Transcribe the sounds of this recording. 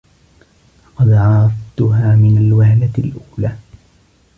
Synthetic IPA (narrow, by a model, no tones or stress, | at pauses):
lɑqɑd̪ʕɑɾˤɑft̪ʊɦaːmɪnalwahlalʔuːlaː